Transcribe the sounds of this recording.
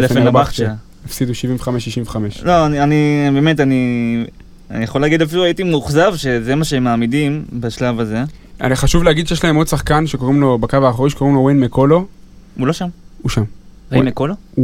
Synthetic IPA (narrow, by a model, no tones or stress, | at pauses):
lefeabaχt͡ʃa | afsid̪uʃiviɱveχameʃiʃiɱveχameʃloanianibeme̞tani | anijaχo̞laːɡid̪afiluaitimuχzavʃe̞ze̞maʃemaːmidimbaʃlavaze̞a̰niχaʃuvleaɡid̪ʃejeʃlaemo̞d̪saχkanʃekoʁimlo̞bakavaːχoʁiʃeko̞ʁimlowenmekolo | ulo̞ʃamuʃamwenmekolo